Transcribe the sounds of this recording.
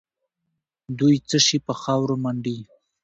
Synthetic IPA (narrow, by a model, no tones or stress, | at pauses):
d̪ujt͡səʃipəxɑwɾomaɳɖi